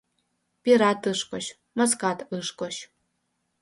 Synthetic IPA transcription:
pʲiɾat̪ɨʂkʼɔɕ | mɐskat̪ʰɨʂkʷʼɔɕ

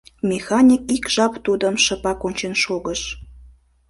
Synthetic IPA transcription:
mʲexɑnʲikikʒ̥ɑpt̪ud̪əmʃəpɑkonʲt͡ɕenʃoɣəʃ

